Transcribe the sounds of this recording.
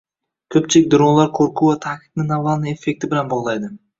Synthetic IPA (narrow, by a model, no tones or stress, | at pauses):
kʲʰɵp̚t͡ʃʰɪlɪk̚ʲd̪ʊɾonlˠaɾkʲʰɵɾkʰuat̪ʰakʲʰɪ̥fnɪnavalnɪe̞fːe̞k̚ʲt̪ʰɪbɪlanbɒʁlˠajd̪ɪ